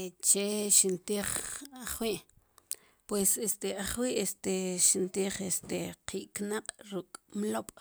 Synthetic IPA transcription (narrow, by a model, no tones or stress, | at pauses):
t͡ʃeʃint̪iːχaχwiːʔ | pwesest̪eʔaχwiʔest̪eʃint̪iːχest̪eqiːʔknaqʼɾukʼmloɓ̥